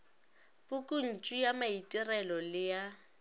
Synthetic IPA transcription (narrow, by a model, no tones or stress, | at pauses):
bʼʊkʼun̩t͡ʃʼijamaitʼɪrɛlɔlɪja